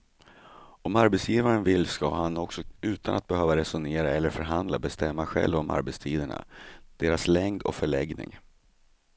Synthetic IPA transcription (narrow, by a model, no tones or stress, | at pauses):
ɔmaɾbɛt̪sjiːvaɾənvɪlːskaɦanɔksɔʉ̟ːt̪ʰanʔat̪̚bɛhøːvaɾɛsʊneːɾaɛlːəɾfœɾɦand̪labɛst̪ɛmːaɧɛ̰lvɔmʔa̰ɾbɛt̪st̪ʰiːd̪əɳa̰d̪̥eːɾaslɛŋd̪ɔ̰kfœɭɛɡnɪ̰ŋ